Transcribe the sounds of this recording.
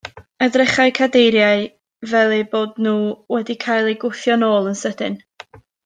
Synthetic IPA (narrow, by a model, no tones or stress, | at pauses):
ədrɪχaɨkʰadejɾjaɨ | vɛlˠɛboːdnuːwɛdikʰajlˠejɡʊθjɔnoːlˠənsədɪn